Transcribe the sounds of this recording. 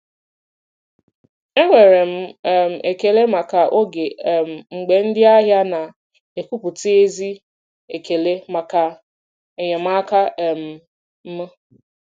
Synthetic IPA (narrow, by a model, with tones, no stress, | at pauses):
e˦ŋʷe˨ɾe˨m̩˦˨m̩˨e˨ke˨le˦ma˨ka˨ʔo˦ɡe˨m̩˨ŋ͡m̩˨ɡ͡be˨n̩˦dɪ˦a˦ɦja˦na˨ | e˨ku˦pu˨ti˦e˦zi˦ | e˨ke˨le˦ma˨ka˨ | e˨ɲe˨m̩˦a˦ka˦˨m̩˨ | m̩˦m˦